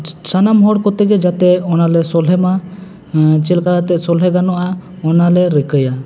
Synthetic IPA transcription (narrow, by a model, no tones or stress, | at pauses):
sanamɦɔɽkɔt̪ɛɡɛd͡ʒat̪ɛɔnalɛsɔlɛma | t͡ʃɛlkaɾat̪ɛʔsɔlɦɛɡanɔʔaɔnalɛɾəkəja